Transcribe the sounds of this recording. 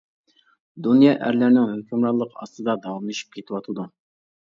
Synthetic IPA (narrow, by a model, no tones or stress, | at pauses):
d̪unjɑʔæ̰ɾlæɾnɪŋhøkʲʰymɾɑlˠːəqɑ̰st̪ɨd̪ɑd̪ɑwɑmlˠɨʃi̥p̚kʲʰet̪ʰɪwɑt̪ʰɨd̪u